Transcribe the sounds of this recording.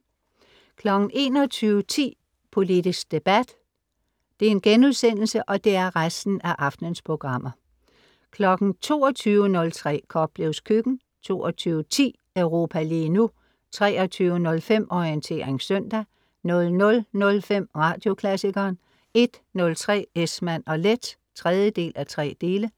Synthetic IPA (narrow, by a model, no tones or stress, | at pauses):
kʰlɒ̽ɡ̥n̩ʔe̝̰ːnɒt͡sʰyːʊət͡sʰḭː | pʰo̝lid̥isɡ̥̚d̥e̝b̥æd̥ | d̥e̝æɐe̝nɡ̥enuðˠsen̰l̩səʔɒ̽d̥e̝æɐʁasd̥n̩æʔɑ̈fd̥nənspʰʁo̝ɡ̥ʁɑ̈m̰ɐ | kʰlɒ̽ɡ̥n̩t͡sʰo̝̰ːɒt͡sʰyːʊənɔ̽lt͡sʰʁɛ̰ːkʰɒ̽b̥̚b̥le̝ʊskʰyɡ̥n̩ | t͡sʰo̝̰ːɒt͡sʰyːʊət͡sʰḭː | œʊʁo̝ːpʰæliːnu | t͡sʰʁɛ̰ːɒ̽t͡sʰyːʊənɔ̽lfem̰ʔɒiənt͡sʰe̝̰ːɐʁeŋsœn̰d̥æ | nɔ̽lnɔ̽lnɔ̽lfem̰ʁɑ̈ːd̥jo̝kʰlæsiɡ̥ɐːn | e̝d̥nɔ̽lt͡sʰʁɛ̰ːesmæn̰ɒ̽led̥ | t͡sʰʁɛð̞ˠjəd̥e̝̰ːlʔæt͡sʰʁɛ̰ːd̥e̝ːlə